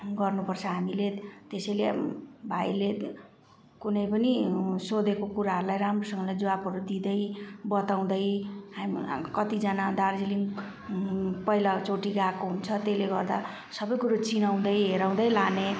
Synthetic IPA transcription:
ɡʌrnupʌrt͡sʰʌɦamilet̪esʌjlebʱajle | kunʌjpʌnisod̪ekokuɾaɦʌɾulajɾamrosʌŋɡʌlajd͡zʌwabɦʌɾud̪id̪ʌjbʌt̪aw̃d̪ʌjɦamkʌt̪id͡zanad̪ard͡ziliŋɡ | pʌilat͡soʈiɡakoɦunt͡sʰʌt̪eleɡʌrd̪a | sʌbʌjkuɾot͡sinaw̃d̪ʌjɦeɾaw̃d̪ʌjlane

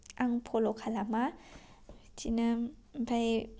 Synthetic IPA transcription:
ʔaŋpʰolokʰalama | t͡ʃinapʰaj

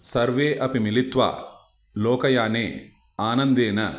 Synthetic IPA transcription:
sɐɾʋeːʔɐpimilit̪ʋa̰ː | lɔːkɐjaːnḛː | aːnɐnd̪eːnɐ

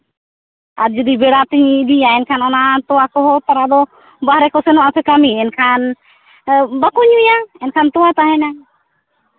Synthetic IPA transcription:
aɾd͡ʒɔd̪ibɛɽat̪iɲːd̪ijaɛnkʰanɔnat̪ɔwakɔɦɔt̪aɾad̪ɔ | baɦɾɛkɔsɛnɔʔasɛkamiɛnkʰan | bakuɲujaɛnkʰant̪ɔwat̪aɦɛna

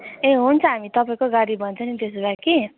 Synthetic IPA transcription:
ẽɦunt͡sʰʌ̃ɦamit̪ʌpaĩkoɡaɽibʱʌnt͡sʰʌnid̪es̬baki

